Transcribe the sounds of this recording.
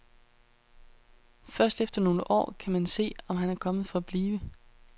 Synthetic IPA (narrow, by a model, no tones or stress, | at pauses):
fɶɐsd̥efd̥ɐno̝ːləʔɒ̰ːkʰæmænse̝̰ːɒ̽mɦænæɐkʰɒ̽məð̞ˠfɒ̽æb̥liːʋə